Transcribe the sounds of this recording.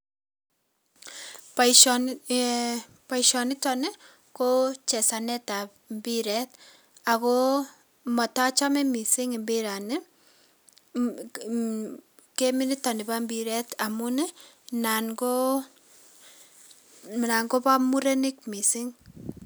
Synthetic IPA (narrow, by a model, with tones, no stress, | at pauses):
p | pa˨iʃɔ˨nɪ˦tɔ˨nɪ˦ | ko˦t͡ʃɛ˨sa˨nɛ˦ta˨pmbi˦ɾɛ˦t̚ | a˨ko˦ | mɔ˨ta˦t͡ʃa˦mɛ˦mi˨sɪ˦ŋi˨mbi˦ɾa˨nɪ˦ | ke˦mi˦ni˦ta˨ni˨ba˦mbi˨ɾɛ˦ta˨mu˦ne˦ | na˨nɡo | na˨ŋɡo˦pa˦mu˦ɾe˦nɪ˦k̚mi˨sɪ˦ŋ